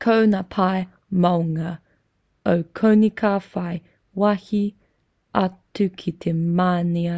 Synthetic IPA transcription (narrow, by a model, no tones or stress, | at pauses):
kʰownapʰaj | mɐwŋɐ | owkʰownikʰaːfɐj | wɐhi | ɐtʉkʰit̪ʰemaːniɐ